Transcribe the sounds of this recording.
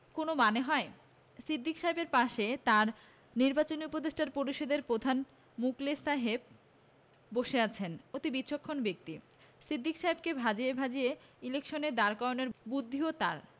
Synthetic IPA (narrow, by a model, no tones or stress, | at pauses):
konomaneɦɔe | sɾid̪ːikʃaɦebeɾpaʃet̪aɾ | niɾbat͡ɕoniupod̪eʃʈaɾpoɾiʃod̪eɾpɾod̪ʱan | muklesaɦeb̚ | boʃeat͡ɕʰenot̪ibitːɕʰokʰːonbek̚t̪i | sɾid̪ːikʃaɦebkebʱad͡ʑiebʱad͡ʑieilekʃoned̪aɾkajoneɾbud̪ʱːiot̪a̰ɾ